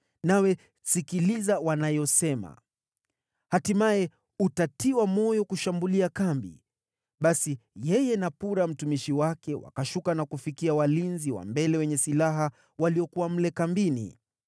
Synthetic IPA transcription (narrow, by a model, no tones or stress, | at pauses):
nawɛ | sikilizawanajɔsɛma̰ | hatimaɛ | utatiwamɔjɔkuʃambuliakambḭ | ɓasijɛjɛnapuɾam̩tumiʃiwakɛwa̰kaʃukanakufikiawalinziwa̰mbɛlɛwɛɲɛsilaɦa | waliɔkuwam̩lɛkambinḭ